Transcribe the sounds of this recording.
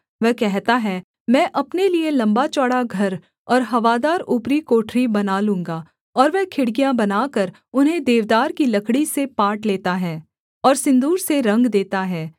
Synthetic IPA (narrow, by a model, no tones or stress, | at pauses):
ʋɛɦkɛɦt̪aɦɛ | mɛ̃ːʔɐpnelielɐ̃mbat͡ʃɔːɽaɡʱɐɾ | ɔːɾɦɐʋaːd̪aːɾupɾikoːʈʰɾibɐnaːlũːŋ̆ɡaː | ɔːɾʋɛɦkʰɪɽɡijãbɐnaːkəɾ | ʊnɦẽd̪eːʋd̪aːɾkilɐkʰɽisepaːʈleːt̪aɦɛː | ɔːɾsɪ̃nd̪uːɾseɾɐ̃ŋɡd̪eːt̪aɦɛː